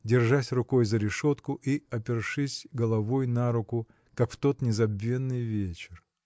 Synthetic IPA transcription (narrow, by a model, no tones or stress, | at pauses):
dʲɪrʐasʲrʊko̞jzəɾʲɪʂo̞t̪kʊʔiɐpʲɪrʂɨsʲɡəlˠɐvo̞jnaɾʊkʊ | kakft̪o̞t̪nʲɪzɐbːʲe̞nːɨjvʲet͡ɕɪr